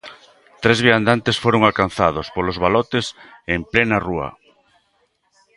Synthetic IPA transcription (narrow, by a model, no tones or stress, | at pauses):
t̪ɾezβiand̪ant̪esfoɾoŋalkanθað̞ospolozβ̞alot̪esemplenaruɐ̰